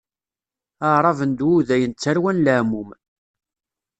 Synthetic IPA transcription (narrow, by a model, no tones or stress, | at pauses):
əʕɾˤɑvənd̪wuðæjənt͡sːæɾwænləʕmum